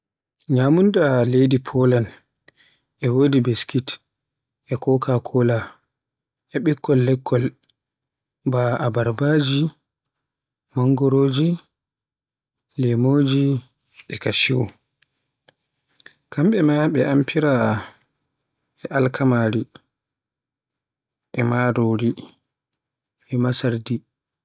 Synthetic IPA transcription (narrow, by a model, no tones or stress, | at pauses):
ɲamundalejdipʰɔlan | ʔɛwoːdibeskit | ɛkɔkʰakʰɔla | ʔɛɓikːɔlːɛkʰːɔl | baabaɾbad͡ʒi | maŋɡɔɾoːd͡ʒi | lɛmoːd͡ʒi | ɛkaʃiwo | kamɓɛmaɓɛʔampʰiɾa | ɛʔalkʰamaːɾi | ʔɛmadoːɾi | ɛmasaɾdi